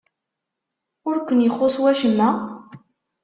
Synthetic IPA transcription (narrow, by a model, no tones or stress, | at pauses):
ʊɾkʷːənjəχːoswæʃəmːæ